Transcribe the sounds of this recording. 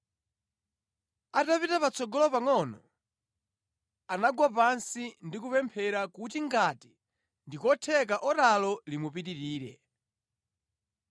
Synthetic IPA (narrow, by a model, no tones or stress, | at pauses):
atapitapat͡sɔɡɔlɔpaŋɔnɔ | anaɡwap̬ansindikupɛmpʰɛɾakutiŋɡati | ndikɔtʰɛk̬aʔɔtalɔlimupitiɾiːɾɛ